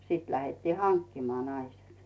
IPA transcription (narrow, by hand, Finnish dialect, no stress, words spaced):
siːt læhetːiː hɑŋkːimɑː nɑise̥t